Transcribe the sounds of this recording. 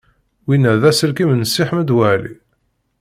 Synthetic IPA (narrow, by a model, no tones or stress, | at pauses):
winːæðæsəlkimənəsːiħməd̪wæʕlḭ